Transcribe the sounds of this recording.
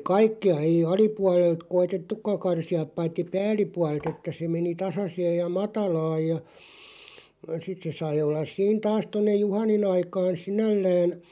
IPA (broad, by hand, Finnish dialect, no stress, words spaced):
kɑikːiɑ ei ɑlipuɑlelt koitetːukˑɑ kɑrsiɑp̆ pɑitːi pæːlˑipuɑl̆ĕlt etːæ se meni tɑsɑseːj jɑ mɑtɑlɑːj jɑ sit se sɑi olːɑs siːn tɑːs tonːej juhɑnin ɑikɑːn̞ sinælːæːn